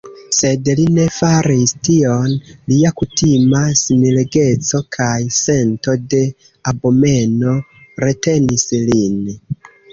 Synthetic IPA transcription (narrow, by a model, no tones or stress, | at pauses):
se̞dline̞faɾistio̞nliakutimasimileɡe̞t͡so̞kʰajse̞nto̞de̞ | abo̞me̞no̞ɾe̞te̞nislin